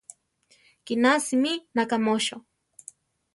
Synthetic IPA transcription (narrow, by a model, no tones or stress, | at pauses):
kinasiminakamoʃo